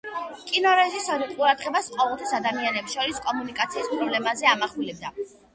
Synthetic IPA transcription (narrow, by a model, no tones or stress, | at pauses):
kʼinɔɾɛzisɔɾiqʼuɾad̪ʁɛbasqʼɔvɛlˠt̪ʰasad̪amianɛpsʃɔɾiskʼɔmunikʼat̪sʰiːspʼɾɔblɛmazɛamaχulɛb̚d̪a